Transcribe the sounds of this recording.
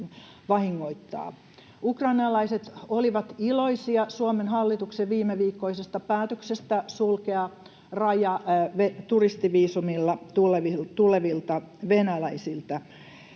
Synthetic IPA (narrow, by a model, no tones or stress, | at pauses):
n | ʋɑhiŋːoit̪ːɑ̰ː | ukrɑinɑlɑiset̪oliʋɑt̪iloisiɑsuomenhɑlːit̪ukseʋʋiːmːeʋiːkːoisest̪ɑpæːt̪øksest̪æsulkeɑ | rɑjɑʋet̪urist̪iʋiːsumilːɑt̪uleʋit̪uleʋilt̪ɑʋenælæisilt̪æ